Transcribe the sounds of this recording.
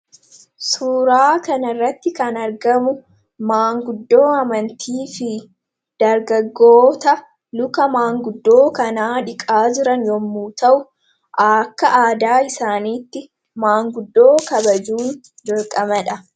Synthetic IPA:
suːɾaːkɐnɐɪrːɐt̪ːɪkɐnɐɾɡɐmʊ | maːŋɡʊd̪ːo̞ːɐmɐnt̪ʰiːfɪ | d̪̥ɐɾɡɐɡːoːt̪ɐ | lʊkɐmaːŋɡʊd̪ːo̞ːkɐnaːᶑɪkʼaːd͡ʒɪɾɐnjɔmːuːt̪ɐʔʊ | ʔɐːkːɐʔaːd̪aːɪsaːniːt̪ːɪ | maːŋɡʊd̪ːo̞ːkɐbɐd͡ʒuːn | d͡ʒɔlkʼɐmɐᶑɐ

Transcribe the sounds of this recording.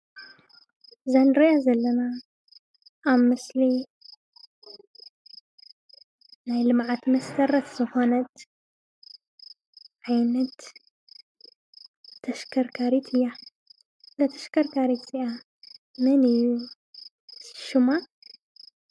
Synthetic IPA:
zanɾiazɐlːɐna | βmɨsli | najlɨmʕat̪mɐst̪ʰɐɾɐt̪zɨxo̞nɐt̪ | ʕajnɐt̪ | ɐʃkʰɐɾkʰaɾit̪ʰɨjːa | lɐt̪ʰɐ̥ʃkʰɐɾkʰaɾit̪ziʔa | mɐnɨjːu | sɨ̥ʃuma

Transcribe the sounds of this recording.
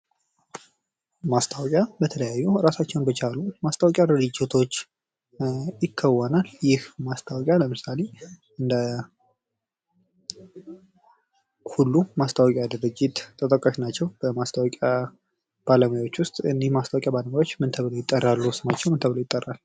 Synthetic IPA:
mast̪ʰawɔkʼjabət̪ʰələjajːuɾasat͡ʃːɛwnbət͡ʃʰalumast̪ʰawɔkʼjad̪ɨɾɨd͡ʒit̪ʰo̞t͡ʃː | jɪkʰːəwənaljɪhmast̪ʰawɔkʼjaləmɨsale̞ | ʔɨnd̪ə | hulːumast̪ʰawɔkʼjad̪ɨɾɨd͡ʒːɪt̪t̪ʰʼːət̪ʼəkʼaʃnat͡ʃːɛwb̥əmast̪ʰawɔkʼa | b̥aləmajwo̞t͡ʃːwʊst̪ʼɨnːihmast̪ʰawkʼjabaləmjwo̞t͡ʃːmɨnt̪ʰəβlojɪt̪ʼːərːalːusɨmat͡ʃːɛwmɨnt̪ʰəβlojt̪ʼːərːal

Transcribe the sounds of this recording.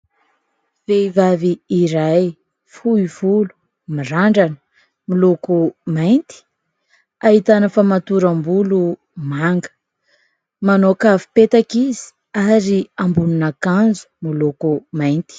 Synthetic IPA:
v̥eivaviːɾaj | fuiv̥ulu̥ | miraɳɖ͡ʐanə̥ | milukumajnt̪i̥ | aɦit̪anəfamat̪uɾambulu | maŋɡə̥ | manokavi̥pet̪akizi̥ | aɾiambununakand͡zu̥milukumajnt̪i̥

